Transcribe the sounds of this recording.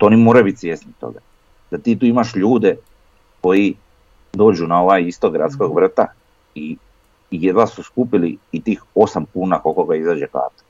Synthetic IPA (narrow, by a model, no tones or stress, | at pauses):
t̪oonimoːɾajbit̪sjesnit̪o̰ɡa̰ | d̪̥at̪iːt̪uːimaʃʎuːd̪e | ko̞ji | d̪o̞ːd͡ʒunao̞ʋaːjist̪oɡɾa̰t̪skoɡʋr̩t̪a | i | jed̪ʋasuskupiliːt̪iːxo̞samkuːnakokoɡaizaːd͡ʒeka̰ːt̪o̥